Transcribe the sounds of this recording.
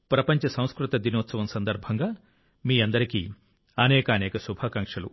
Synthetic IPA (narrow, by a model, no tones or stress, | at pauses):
pɾɐpɐɲt͡ʃɐsɐw̃skɾut̪ɐd̪inoːt̪sɐʋɐmsɐnd̪ɐɾbʱɐŋɡaː | miːɐnd̪ɐɾikḭ | ɐnɛːkɐːnɛːkɐsubʱaːkɐŋʂɐlṵ